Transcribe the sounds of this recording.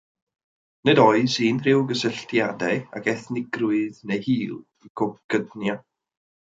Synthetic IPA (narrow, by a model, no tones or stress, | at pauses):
nɛdɔɨziːnrɪwɡəsəɬtjadɛa̰kɛθnɪɡrʊɨðnejhiːlˠ | ɡʰɔɡ̥ədnja